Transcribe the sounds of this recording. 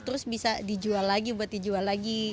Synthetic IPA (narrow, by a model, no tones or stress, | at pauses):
t̪əɾʊsbisadid͡ʒualːaɡibuat̪̚did͡ʒualːaɡi